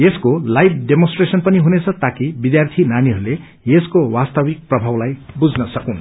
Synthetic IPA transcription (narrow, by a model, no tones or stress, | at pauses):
jeskolajb̚ʰɖemõnsʈresʌnpʌniɦunet͡sʰʌt̪akibid̪jart̪ʰinaniɦʌɾule | jeskowast̪ʌbik̚prʌbʱawlajbud͡znʌsʌkũn